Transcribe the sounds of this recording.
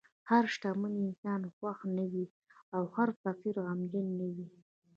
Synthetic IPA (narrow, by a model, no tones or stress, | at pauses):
haɾʃʈamuniɪnsɑnxwaxnawi | awhaɾsafiɾoamd͡ʒənːawi